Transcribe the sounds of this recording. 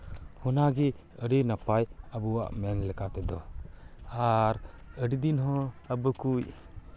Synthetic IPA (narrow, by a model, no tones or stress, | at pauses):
hɔnaɡɛ | əɽinapajabuwa̰ʔmɛnlɛkat̪ɛd̪ɔ | aɾ | əɽid̪inɦɔ̃əbəkuj